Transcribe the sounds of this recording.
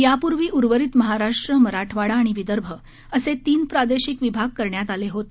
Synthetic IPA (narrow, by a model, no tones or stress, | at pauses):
japuɾʋiːʔuɾʋəɾit̪məɦaɾaʂʈɾəməɾaʈʰʋaɽaːɽ̃iʋid̪əɾbʱə | əset̪iːnpɾad̪eɕikʋibʱaɡ̚kəɾɳjat̪aleɦot̪